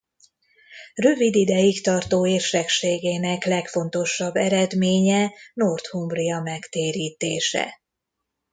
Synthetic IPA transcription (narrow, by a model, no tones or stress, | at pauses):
røvid̪id̪ɛjikt̪ɒrt̪oːeːrʃɛkʃeːɡeːnɛklɛkfo̞n̪t̪o̞ʃːɒbːɛɾɛd̪meːɲɛnort̪humbrijɒmɛkt̪eːɾiːt̪eːʃɛ̰